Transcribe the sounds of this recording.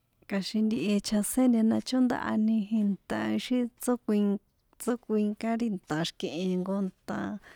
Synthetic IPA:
ka˧ʃi˧nd̪i˧ʔe˧t͡ʃʰa˧sẽ˦nd̪ẽ˧nã˧t͡ʃo˦nd̪a̰˧ʔa̰˧nĩ˧ɦĩ˧nt̪ã˧i˧ʃi˦t͡so˦kʷi˧ŋ | t͡so˦kʷi˧ŋkã˦ɾi˧nt̪ã˨ʃkẽ˧ʔẽ˧ŋɡo˧nt̪ã̰˧

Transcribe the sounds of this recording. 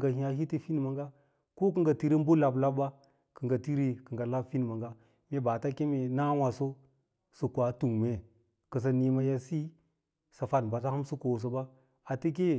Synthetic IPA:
ɡa˨hi˨˦a˨hi˦ti˦fi˦n˨ma˨ŋɡa˦ | ko˦k̬ə˨ŋɡa˨ti˦ɾe˦m˦bo˦la˨bla˦b̚ba˦ | kə˨ŋɡa˨ti˦ɾi˨kə˨ŋɡa˨la˦bfi˦n˨ma˨ŋɡa˦ | me˦ba˨ta˦ke˦me˨na˦wa˨so˦ | sɨ˨kʷa˨tu˨ŋme˨ | kə˨s̬a˨ni˨ma˨ja˨si˦ | sa˨fa˨nba˨s̬a˦ha˦msu˦ko˨s̬o˨ba˦ | a˨ti˦k̬e˦

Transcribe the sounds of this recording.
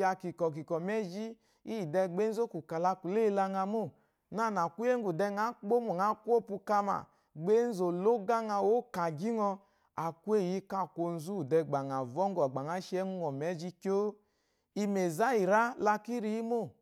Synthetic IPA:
a˧ki˨kɔ˨k̬i˨kɔ˨mɛ˦d͡ʒi˦ | i˦˨dɛ˧ɡ͡be˦n̩˦zo˦ku˨ka˨la˧ku˨le˦˨˦la˧ŋa˧mo˦˨ | na˦˨n˨a˨ku˦e˦ŋ˦ɡu˨dɛ˧ŋa˨˦k͡po˦mo˨ŋa˨˦ku˦o˦˨pu˧ka˧ma̰˨ | ɡ͡be˦n̩˦zo˨lo˦ɡa˦ŋa˧wo˦ka˨ɡi˦ŋɔ˧ | a˨ku˦e˦˨ji˧˦ka˦˨ko˧n̩˦zu˦˨dɛ˧ɡ͡ba˨ŋ˨a˨vɔ˦ŋ˦ɡɔ˨ɡ͡ba˨ŋa˦ʃɛ˦ŋu˦ŋɔ˨mɛ˨˦d͡ʒi˦ko˦ | i˧me˨za˦i˨ɾa˦la˧ki˦ɾi˦i˦mo˦˨

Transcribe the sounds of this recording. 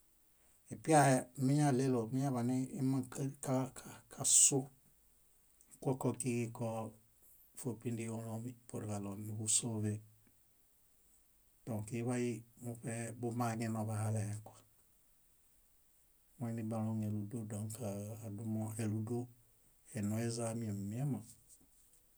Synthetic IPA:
i˨pi˦a˦je˦mi˦ɲa˦le˦lo˨mi˦ɲa˦βa˨ni˦i˦ma˦ŋka˦ka˦kakʰa˨su˦ | kʷo˦kɔ˦ki˦ki˦kɔ | fo˨pi˦ndio˦lo˦mi˦po˨ɾka˨lo˨ni˨bu˦so˦ve˦ | d̥õ˨ŋkiβa˦jimu˦pe˦bu˦ma˦ɡe˦no˨βa˨haleekwḁ | wanibaloŋe˨lu˨do˦da˨ŋkaː˨du˦mo˦e˨lu˨do˦ | e˨no˨e˦zami˨e˨mi˨e˦ma

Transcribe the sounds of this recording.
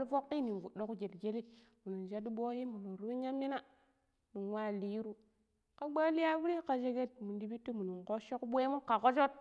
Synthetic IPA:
lfo˦kːi˦ni˨vu˨do˦ku˦d͡ʒe˨tɡe˦li˦ | mu˨nu˨nʃa˦di˦bo˦ji˦mu˨nu˨nɾu˦i˦ɲa˦mni˦na˦˨ | nu˨nwa˦˨li˦ɾu˦ | ka˦ɡ͡ba˦li˦ja˦vu˦ɾi˦ka˨d͡ʒe˦ɡe˦t̚mu˨ndi˨bi˦tːi˦mu˨nu˨nko˦ʃo˦kbʷe˦mu˦ka˨ko˦d͡ʒo˦t̚

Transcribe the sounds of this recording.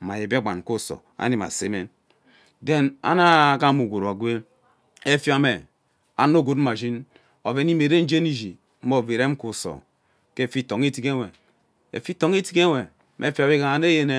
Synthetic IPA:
ma˨je˨be˦˨ɡ͡ba̰˨n˨ko˦˨so̰˨a̰˦ni˨ma̰˨se˦me˦n | de˦na̰˦na˦˨ɡa˦mu˨ɡo˨ɾa˨ɡʷe˦ | e˦fi˦a˦me˨ | a̰˨n˦o˦˨ɡo˨t̩˦ma˨ʒi˦n | o˨ve˨˦i˦me˨ɾe˦n̩˦d͡ʒe˦ni˨d͡ʒi˨ | m̩˦o˦˨ve˨ɾe˦m̩˦ku˨so̰˨ | ke˦˨fi˦to˨ŋe˦ti˦ke˦we˨ | ḛ˨fi˦to˨ŋ˦e˦ti˦ke˦we˨ | mʔe˦fi˦a˨be˦ka˨a˨ne˦je˦ne˦

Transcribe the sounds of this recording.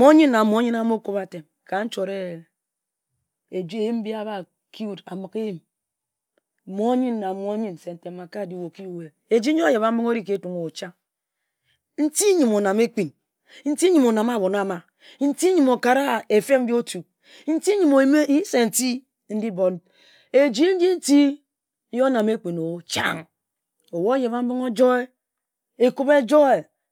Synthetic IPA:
mo˦ɲi˦nː˦a˨mo˨˦ɲi˦na˦m˦o˦ko˦ba˨te˨m | ka˨n̩˦t͡ʃo˨ɾe˦ | e˨d͡ʒi˦e˨ji˦m̩˦bi˦a˦ba˨ | ki˦u˦da̰˨mɨ˨ke˦ji˦˨m˨ | mo˦ɲi˦nː˨a˨mo˦ɲi˦n˨se˨n̩˨te˨ma˨ka˦˨di˦wo˨ki˦u˦we˨ | e˨d͡ʒi˦ɲo˦a˦ja˨ba˨m̩˦mi˦ŋo˦ɾi˦ke˨˦tu˨ŋo˨o˨t͡ʃa˦ | n̩˦ti˦ɲi˨mo˨na˨me˦k͡pi˨n | n̩˦ti˦ɲi˨mo˨na˨ma˦˨bo˨na˨ma˨ | n̩˦ti˦ɲi˨mo˨ka˨ɾa˦˨e˨fe˦m̩˦bi˦o˦tu˨ | n̩˦ti˦ɲi˨mo˨˦me˦i˦se˨n̩˨ti˦ | n̩˦di˦bo˨n | e˨d͡ʒi˦n̩˦d͡ʒi˦n̩˦ti˦ | jo˦na˨me˦k͡pi˨no˨t͡ʃa̰˦ŋ | o˨wo˦je˨ba˨˦m̩˦bi˦ŋo˦d͡ʒo˦e˦ | e˨ku˦be˦d͡ʒo˦e˨

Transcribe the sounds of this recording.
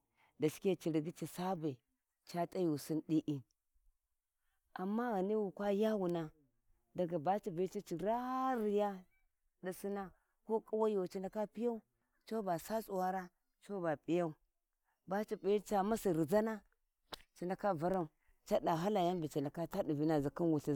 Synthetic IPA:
da˨si̥˦ke˦t͡ʃi˨ɾi˨ɡi˦t͡ʃi˨sa˦ba˨ | t͡ʃa˦tʼa˦ju˨si˦nɗi˦ʔi˨n | a˨mːa˦ɣa˨ni˦wu˨kʷa˦ja˦wu˨na˦ | da˨ɡa˨ba˦t͡ʃi˨vi˨˦t͡ʃi˦t͡ʃi˨ɾa˦ɾi˨ja˦ | da˨si˦na˦ | ko˦kʼu˦wa˦jo˨t͡ʃi˨na˨ka˦pi˦ja˦u˦ | t͡ʃo˦ba˨sa˦t͡sʼu˨wa˦ɾa˦ | t͡ʃo˦ba˨pʼi˦ja˦u˦ | ba˦t͡ʃi˨pi˨˦i˦t͡ʃa˦ma˦si˨ɾi˨za˦na˦ | t͡ʃi˨na˨ka˦va˦ɾa˦u˨ | t͡ʃa˦da˨ɦa˦la˨ja˦mbi˨t͡ʃi˨nda˨ka˦ta˦di˨vi˦na˨zi˨ki˦nwu˨ɬi˨

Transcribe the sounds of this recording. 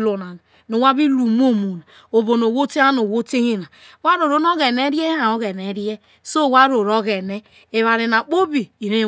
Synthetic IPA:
lo˨na˨na˨ | no˨wa˦bi˦lu˨m˦o˦mu˨na˨ | o˨bo˨no˨wo˦te˦a˦no˨wo˦te˦hi˦na˨ | wa˦ɾo˨ɾo˦no˦ɣe˨ne˦ɾje˦a˨o˦ɣe˨ne˨˦ɾi˦e˦ | so˦˨wa˦ɾo˨ɾo˦ɣe˨ne˦ | e˨βa˨ɾe˨na˨k͡po˦bi˨i˨ɾe˦

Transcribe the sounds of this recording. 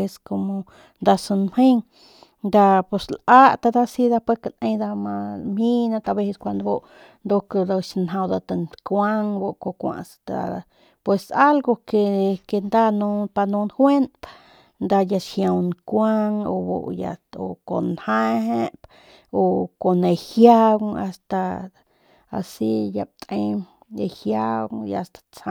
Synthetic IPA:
e˧sko˧mo˧ | nd̪a˧su˧nmhe˦ŋ | nd̪a˧po˧slʔa˦t̪a˧d̪a˦˧si˦d̪a˧pe˦ka˧nʔẽ˧jd̪a˧ma˧mhi˦nã˧t̪a˧be˧se˧skʷa˧nd̪o˧bo˦˧ʔ | nd̪o˧kd̪a˧ʃnɦã˧wd̪a˧t̪a˧nkʷa˦ŋbo˧ko˧kʷã̰˧ʔst̪a̰˧ | pwe˧sa˦lɡo˧ke˧ke˧nd̪a˦nu˧pa˧nu˧nhwe˦np̪ | nd̪a˧ja˧ʃhja˧wnkʷa˦ŋo̰˧bo̰˧ja̰˧o˨ko̰˨nha˦ɦe˦p | o˨ko˨ne˧hja˦wa̰˧st̪a˧ | a̰˨si˦ja̰˧p̚t̪ʼe˧j | ehja˦wŋja˧st̪ḁ˧t͡sa˧

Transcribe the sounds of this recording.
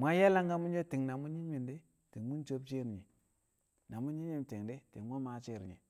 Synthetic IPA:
mʷ˨a˦ja˦la˦ŋɡa˦mu˦nd͡ʒe˦ti˨ŋna˨mu˦ɲi˦ɲmi˨nde˦ | ti˨ŋmu˦nd͡ʒo˦bt͡ʃe˦ɾi˨ɲe˨ | na˨mu˦ɲi˦n˦i˦nte˨ŋde˦ti˨ŋmo˦ma˨˦t͡ʃe˦˨ɾḭ˨ɲḛ˨

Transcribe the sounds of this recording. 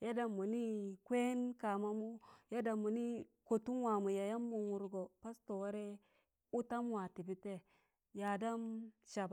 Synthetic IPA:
ja˦da˨mːu˨ni˦kʷe˦nka˨ma˦mu˦ja˦da˨mːu˨ni˦ko˨tu˦nwa˨mu˨ja˨ja˦mːu˨wu˨ɾɡo˨pa˦sto˨wa˦ɾe˦ | u˦ta˦mwa˨ti˨bi˦te˦ | ja˨da˦mʃa˨b

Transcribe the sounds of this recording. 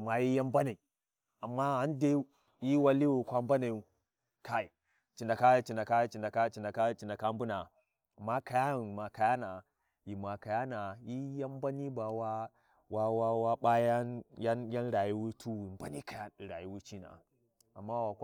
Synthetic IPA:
ma˨ji˦ja˦mba˦na˨i˨ | a˨mːa˦ha˦nde˦ | ji˦wa˦li˦wu˨kʷa˦mba˦na˨u˦ | ka˦i˨ | t͡ʃi˨nda˨ka˦˨t͡ʃi˨nda˨ka˦t͡ʃi˨nda˨ka˦t͡ʃi˨nda˨ka˦t͡ʃi˨nda˨ka˦m˦bu˦na˨ | a˨mːa˦ka˨ja˦˨ma˨ka˨ja˦na˨ | ji˨ma˨ka˨ja˦na˨ji˦ja˦m˦ba˦ni˦ba˨wa˦ | wa˦wa˦wa˦ɓa˦ja˦nja˦nja˦nɾa˨ji˦wu˦tʰu˦wi˨m˨ba̰˦ni˦ka˨ja˦˨ɾa˨ji˦wu˦t͡ʃi˦na̰˨ | a˨mːa˦wa˨k

